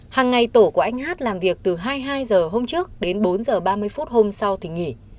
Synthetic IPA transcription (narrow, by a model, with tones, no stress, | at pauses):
haː˨˩ŋːa˨˩jt̪o˧˩ku˧˩ʔa˧jŋ̟ɦaː˦˥t̚laː˨˩mvi˨˩ək̚t̪ɨ˨˩ɦaː˧jɦaː˧jzəː˨˩ɦo˧mt͡ɕɨ˦˥ək̚ɗe˨˦nɓo˨˦nzəː˨˩ɓaː˧mɨ˧əjfu˦˥t̚ho˧msa˧wt̪ʰi˨˩ŋi˧˩